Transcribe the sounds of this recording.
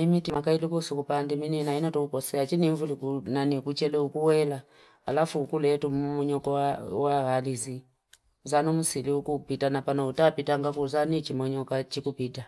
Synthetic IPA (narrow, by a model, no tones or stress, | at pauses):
imitimakailikusukupandimininainɔtuukɔsɛat͡ʃiniɱvulikunanikut͡ʃɛlɛukuwɛla | a̰lafuːkulɛtummɔɲɔkɔawaɣalizi | uzanɔm̩siliukupitanapanautapitaŋɡapuzanit͡ʃimɔɲɔkat͡ʃikupita